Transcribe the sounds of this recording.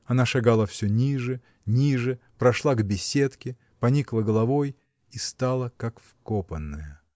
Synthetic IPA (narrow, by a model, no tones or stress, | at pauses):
ɐnaʂaɡalˠəfsʲɵnʲiʐɨ | nʲiʐɨpɾɐʂlˠaɡbʲɪsʲe̞t̪kʲɪ | pɐnʲiklˠəɡəlˠɐvoj | ist̪alˠəkakfkopənːəjə